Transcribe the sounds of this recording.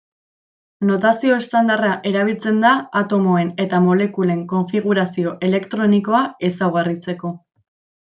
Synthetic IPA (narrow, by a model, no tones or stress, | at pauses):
no̞t̪asio̞est̪and̪araʔe̞ɾaβ̞ilt͡se̞nd̪aat̪o̞mo̞ene̞t̪amo̞le̞kule̞ŋko̞ɱfiɣ̞uɾasio̞ʔe̞le̞kt̪ɾo̞niko̞ae̞sawɣarit͡se̞ko̞